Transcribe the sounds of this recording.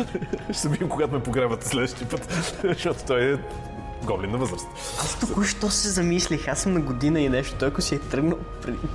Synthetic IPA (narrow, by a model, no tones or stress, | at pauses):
ʃt̪ɐbid̪imkoɡat̪ʊmɛpoɡɾɛvɐt̪ɛ̥slɛd̪əʃt̪ipɤt̪ʃɔt̪o̥t̪ɔjɛ | ɡɔblinːɐvɤzɾɐst̪ | ast̪ukuʃt̪ɔssɛzɐmislʲixasːəmnɐɡod̪inəinɛʃt̪o̥t̪ɔjɐksiɛt̪ɾɤɡnəlˠpɾɛd̪